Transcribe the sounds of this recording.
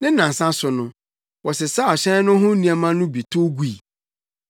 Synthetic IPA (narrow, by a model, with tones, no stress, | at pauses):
nɪ̃˦nã˨sã˦sʊ˨nʊ̃˦ | wɔ˨sɛ˨sa˦˨ɕɛ̃˦n˦nʊ̃˦ɦʊ̃˦nĩ˦a˨mã˦nʊ̃˦bi˨tʰʊ˦ɡu˦i˨